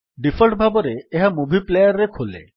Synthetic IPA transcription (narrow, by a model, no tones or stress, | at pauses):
ɖifʰɔlʈbʱabɔɾeːɦamubʱiplejaɾːekʰolḛ